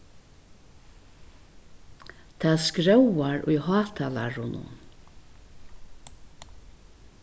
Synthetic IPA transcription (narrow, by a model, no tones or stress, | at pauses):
t̪ʰaːðskɹɛwaɹʊ̰jhɑːt̪ʰala̰ɹʊnʊ̰n